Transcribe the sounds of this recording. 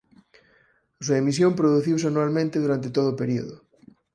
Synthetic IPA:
suaemis̬jompɾoðuθiws̬eanualmẽnt̪eðuɾant̪et̪oðoːpeɾio̰ðo

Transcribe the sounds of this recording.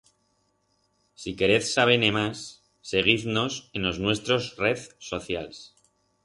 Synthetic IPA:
sike̞ɾe̞θsaβe̞nemasː | e̞ɣiθno̞se̞no̞znwe̞st̪ɾo̞zre̞θso̞θja̰ls

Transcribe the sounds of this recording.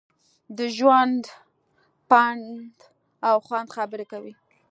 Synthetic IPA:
d̪əʒwand̪ | pand̪ | awxwand̪xabəɾekawi

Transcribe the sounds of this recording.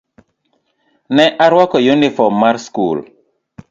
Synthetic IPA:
nɛʔaɾwakɔjunifɔmːaɾskṵl

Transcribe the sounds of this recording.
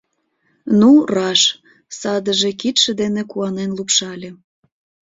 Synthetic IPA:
nurɑʃ | sɑd̪əʒekit̪ʃĕd̪enekuɑnenlupʃɑlʲĕ

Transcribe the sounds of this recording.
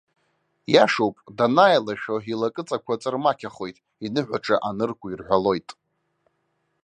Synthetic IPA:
jaʂowpʼdanajlaʃᶣoilakʼɨt͡sʼakʷʰat͡sʼɨrmakʲʰaχo̞jtʼ | inɨħʷᶣaʈ͡ʂʼaʔanɨrɡʷʊirħᶣʷalo̞jtʼ

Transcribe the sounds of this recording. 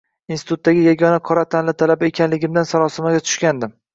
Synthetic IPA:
insɪ̥t̪ʊt̪ːaɡʲɪjaɡʲɒnaqʰɒɾat̪ʰanlɪt̪ʰalabaekʲanlɪɡʲɪmd̪ansaɾɒsɪmaɡʲat̪ʰʊ̥ʃkʲand̪ɪm

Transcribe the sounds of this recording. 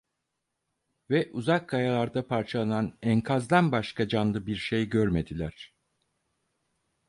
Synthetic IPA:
vɛʔuzakʰːajalˠaɾd̪apʰaɾt͡ʃʰalˠananɛŋkʰazd̪anbaʃkad͡ʒanlˠɯbiɾʃe̞jɟøɾme̞d̪ilʲæɾ̥

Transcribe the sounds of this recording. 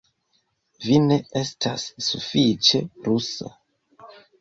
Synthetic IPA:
vine̞e̞stʰasːufit͡ʃe̞ɾusa̰

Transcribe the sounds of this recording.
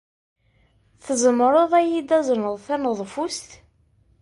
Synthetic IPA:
θəzəmɾˤoðˤæjid̪æznəðˤθænəðˤfust̪

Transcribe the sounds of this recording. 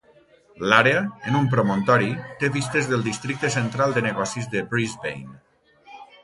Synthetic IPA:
laɾeəənumpɾomõnt̪ɔɾit̪eβist̪ezðəlˠd̪ist̪ɾik̚t̪əs̬ənt̪ɾalˠd̪ənəɣɔsizðəpɾizβḛjn

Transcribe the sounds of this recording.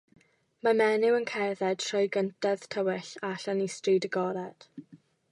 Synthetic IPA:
mamɛnɪwənkʰɛrðɛd̥̚tʰrɔjɡəntʰɛð̥tʰəwɪɬaɬanistridəɡɔɾɛd̥

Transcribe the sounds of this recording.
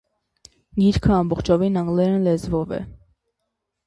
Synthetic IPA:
ɡiɾkʰəɑmbɔχt͡ʃʰɔvinɑŋɡlɛɾənlɛzvɔvɛ̰

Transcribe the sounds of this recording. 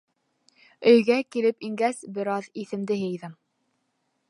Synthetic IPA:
ɵ̆jɡækilɘpiŋɡæsbɘ̆ɾɑðiθɘ̆md̪ɘɦɤ̆jðɤm

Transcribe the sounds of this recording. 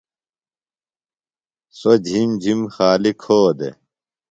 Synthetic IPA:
sod͡ʑʱimd͡ʑʱimxaːlikʰhoːd̪ḛ

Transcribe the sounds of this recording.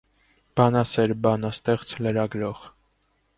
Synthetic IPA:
b̥ɑnɑsɛɾbɑnəst̪ɛχt͡sʰləɾɑɡɾɔʁ

